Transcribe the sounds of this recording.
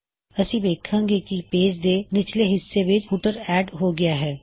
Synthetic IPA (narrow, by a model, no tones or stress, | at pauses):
ɐsĩbeːkʰːə̃ŋɡekipeːd͡ʒd̪enɪt͡ʃleɦɪsːeʋɪt͡ʃfuʈəɾɛːɖɦoɡɪjaɦɛː